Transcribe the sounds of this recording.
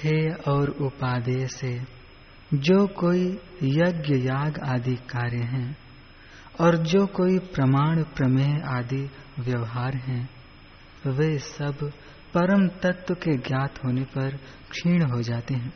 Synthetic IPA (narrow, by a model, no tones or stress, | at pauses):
kʰeːɔːɾʊpaːd̪ese | d͡ʒoːkoːijɐɡjəjaːɡaːd̪ʱikaːɾjə̃ɦɛ̃ː | ɔːɾd͡ʒoːkoːipɾɐmaːɽ̃pɾɐmeːɦaːd̪ʱiʋjɐʋɦaːɾɦɛ̃ | ʋeːsɐb | pɐɾəmt̪ɐt̪wəkeɡjaːt̪ʰɦoːnepɐɾ | kʃiːɽ̃ɦod͡ʒaːt̪eɦɛ̃ː